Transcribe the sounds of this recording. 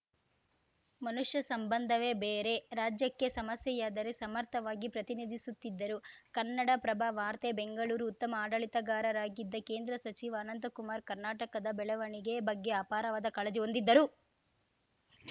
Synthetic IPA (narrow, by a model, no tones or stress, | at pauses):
mɐnuʂjɐsɐmbɐnd̪ʱɐʋe̞ːbeːɾe̞ɾaːd͡ʒjɐkːe̞sɐmɐsjɐjaːd̪ɐɾesɐmɐɾt̪ʰɐʋaːɡipɾɐt̪inid̪ʱisut̪ːid̪ːɐɾukɐnːɐɽɐpɾɐbʱaʋaːɾt̪ebeŋɡɐɭuːɾuːt̪ːɐmɐaːɖɐɭit̪ɐɡaːɾɐɾaːɡid̪ːɐke̞ːnd̪ɾɐsɐt͡ʃiʋɐːnɐnt̪ɐkumaːɾkɐɾnaːʈɐkɐd̪ɐbɛɭɐʋɐɳiɡe̞bɐɡːe̞aːpaːɾɐʋaːd̪ɐkɐɭɐd͡ʒɛond̪id̪ːɐɾu